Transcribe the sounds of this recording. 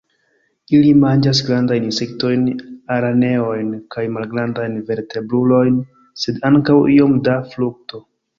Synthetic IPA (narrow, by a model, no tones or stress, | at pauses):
ilimand͡ʒas̬ɡɾandajninse̞k̚to̞jnaɾane̞o̞jnkajmalɡɾandajnve̞ɾte̞bɾulo̞jn | se̞daŋkawio̞mdafluk̚to̞